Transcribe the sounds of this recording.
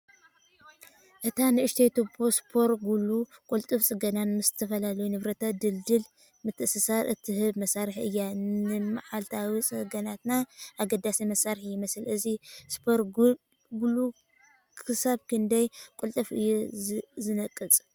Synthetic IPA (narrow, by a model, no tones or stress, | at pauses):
ʔɨt̪ʰanɨʔɨʃt̪ʰejt̪obospʰo̞ɾɡulukʼult̪ʼɨft͡sʼɨɡɐnanmɨst̪ʰɐfɐlalɐjunɨβɾɐt̪ʰad̪ɨld̪ɨl | mɨt̪ʰːɨsɨsaɾʔɨt̪ʰihɨβmɐsaɾħɨjːanɨmaħalt̪ʰawit͡sʼɨɡɐnat̪naʔaɡɐd̪asimɐsaɾħjɪmɐsɨlɨzispʰo̞ɾ | ɡulu | kʰɨsaβkʰɨnd̪ɐjkʼult̪ʼɨfɨ̰jːuzɨnɐkʼːɨt͡sʼ